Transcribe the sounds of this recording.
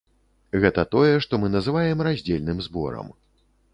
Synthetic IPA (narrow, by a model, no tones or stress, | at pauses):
ɣɛt̪ɐt̪ɔjɛʂt̪ɔmɨn̪ɐzɨvajɛmrazʲd͡zʲelʲnɨmzbɔ̰ɾɐ̰m